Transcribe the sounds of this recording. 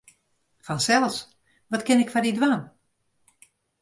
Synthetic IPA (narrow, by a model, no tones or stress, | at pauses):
fɔnsɛlˠs | ʋɔtkɪnɪkfadidwan